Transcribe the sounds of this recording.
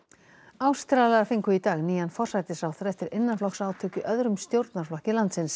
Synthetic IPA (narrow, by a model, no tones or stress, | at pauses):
awst̪ɾaːlaaɾfiŋkʏit̪aːɣniːjanfɔr̥sajt̪ɪsawθɾɛft̪ɪɾʔɪnːanflɔksaːwt̪ʰœːcʏʔœðɾʏmst̪jowɾt̪naɾ̥flɔhcɪlant̪sɪns